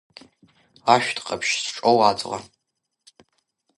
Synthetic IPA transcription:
aʃʷᶣtʰqʼɐpʰʃsʈ͡ʂʼowaːt͡sʼʁɐ̰

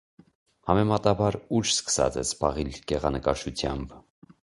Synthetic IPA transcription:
hɑmɛmɑt̪ɑbɑɾut͡ʃskə̥sɑ̰t͡sɛ̰sbɑʁilɡɛʁɑnəkɑʃʰut͡sʰjɑmb

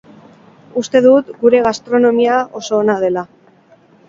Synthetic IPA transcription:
ust̪e̞ð̞ut̪ɡuɾe̞ɣ̞ast̪ɾo̞no̞miao̞so̞ːnað̞e̞la

